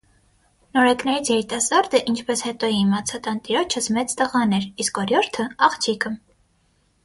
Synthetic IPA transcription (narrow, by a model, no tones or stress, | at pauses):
nɔɾɛknɛɾit͡sʰjɛɾit̪ɑsɑɾd̪əʔint͡ʃʰpɛshɛt̪ɔimɑt͡sʰɑt̪ɑnt̪iɾɔt͡ʃʰəsmɛt͡st̪əʁɑnɛɾiskɔɾjɔɾt̪ʰəɑχt͡ʃʰikʰə